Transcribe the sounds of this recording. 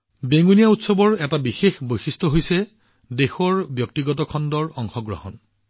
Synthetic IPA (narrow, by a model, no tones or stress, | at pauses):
beŋunijautsɔbɔɹɛtabixexbojsistɔɦojsɛ | dexɔɹbjɔk̚tiɡɔtɔkʰɔndɔɹɔŋxɔɡɹɔ̰hɔ̰n